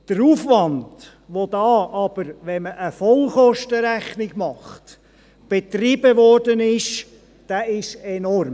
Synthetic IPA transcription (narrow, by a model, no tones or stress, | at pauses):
d̥əɾuːfʋɑnd̥ | ʋod̪ɑːʔɑb̥əɾʋɛməʔəfɔlχɔʃtəɾæχnɪɡmɑχt | b̥et̪ribəʋɔrdənɪʃ | d̥æɪʃɛnɔrm